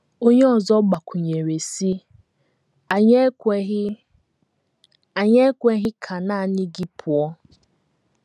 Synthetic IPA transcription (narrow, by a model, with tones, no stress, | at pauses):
o˦ɲe˦ɔ˨zɔ˦ɡ͡ba˨kʷu˨ɲe˨ɾe˨si˦ | a˨ɲe˦ | a˨ɲe˦kʷe˦ɦɪ˦kʰa˨na˦˨ni˦ɡi˦pʰʊ˨ɔ˦